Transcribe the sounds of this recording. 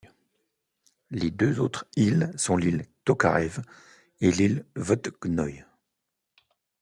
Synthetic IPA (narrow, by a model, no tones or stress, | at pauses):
led̪øzot̪χilsɔ̃lilt̪ɔka̰ʁɛv | elilvɔt̪ɡ̥nɔj